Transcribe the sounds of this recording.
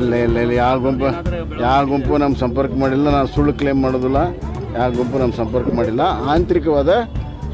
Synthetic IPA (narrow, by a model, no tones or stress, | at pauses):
ɐlːɐɐlːɐɐlːɐjaːɡompɐ | jaːɡompunɐmːɐsɐmpɐɾkmaːɽilːɐnaːnusuɭːkleːmːaːɽoːd̪ilːɐ | jaːɡomp̬unɐmːsɐmpɐɾkmaːɽilːɐaːnt̪ɾikɐʋaːd̪ɐ